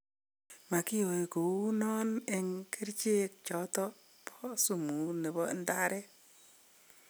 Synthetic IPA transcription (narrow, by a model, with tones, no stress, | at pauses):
ma˨ki˦o˨i˨ko˨u˦nɔ˦ne˨ŋke˦ɾt͡ʃe˦k̚t͡ʃɔ˨tɔ˦ | pʰɔ˦su˦˨mu˨˦nɛ˨bɔ˦nda˦ɾɛ˦